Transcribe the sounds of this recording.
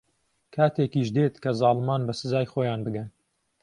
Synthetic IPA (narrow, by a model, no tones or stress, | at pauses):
kʰaːt̪ʰekiːʃd̪eːt̪kʰɐzɑːlmaːnbɐsɨzaːjxoːjaːnbɨɡɐn